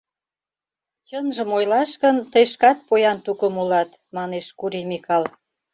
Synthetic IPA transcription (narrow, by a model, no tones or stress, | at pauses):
t͡ɕənʒə̆mojlɑʃkənt̪əjʃkɑt̪̚pojɑnt̪ukəmulɑt̪ | mɑneʃkuɾimixkɑl